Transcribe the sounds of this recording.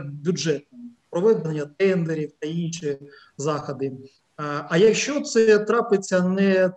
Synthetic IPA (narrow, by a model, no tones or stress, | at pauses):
bʲjuʒɛt̪̚npɾɔʋɪd̪nenʲːɐt̪ɛnd̪eɾʲiwt̪ɐinʃi | zɑxɐd̪ɪ | ɐjɐkʃt͡ʃɔt̪sɛt̪ɾɑpɪt͡sʲːɐnɛ